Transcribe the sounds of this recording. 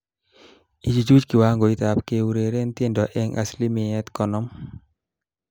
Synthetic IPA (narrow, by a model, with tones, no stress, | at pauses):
i˨d͡ʒi˨d͡ʒu˦d͡ʒki˨wa˦ŋɡo˨i˦t̪a˨pke˨u˨ɾe˨ɾe˦nt̪je˦ndɔ˨ʔɛ˦ŋa̰˨sli˦mɪ˨ɛ˦t̪kɔ˨nɔ˦m